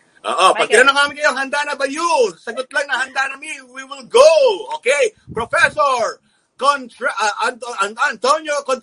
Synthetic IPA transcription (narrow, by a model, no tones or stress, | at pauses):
ʔo̰ːʔopɐɡ̚t̪ɪnɐnɐŋaːmɪnkɐjoɦɐnd̪anɐbɐjusɐɡot̪̚lɐŋnɐhɐnd̪anɐmiwiwɪlɡowoːkejpɾofɛsoɹ | kont̪ɹʔʔɐnt̪oʔɐnant̪onjokont̪